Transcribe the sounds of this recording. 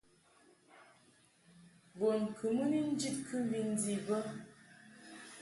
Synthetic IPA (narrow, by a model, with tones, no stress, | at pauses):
bo˨n˨kʰɨ˨mə˦ni˦n̩˦d͡ʒi˦t̚kʰɨ˦bi˦n̩˦di˨bə˦